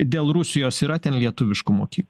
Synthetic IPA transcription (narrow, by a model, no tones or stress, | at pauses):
d̪ʲeːlˠɾʊsʲɪjoːsiːɾɐt̪ʲɛnlʲiɛt̪ʊʋʲɪʃkʊmoːkʲiːkl